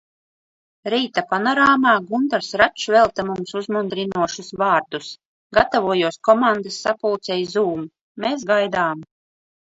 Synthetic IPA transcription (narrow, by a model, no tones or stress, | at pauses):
ɾiːt̪apanɔɾaːmaːɡund̪aɾsɾat͡ʃvɛlˠt̪amumsuzmund̪ɾinuɔʃusvaːɾd̪us | ɡat̪avuɔjuɔskɔmand̪asːapulˠt̪sɛjzuːmu | meːsɡajd̪aːm